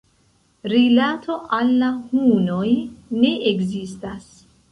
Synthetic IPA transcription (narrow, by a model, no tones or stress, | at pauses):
ɾilatʰo̞ʔalːahuno̞jne̞ʔekzistas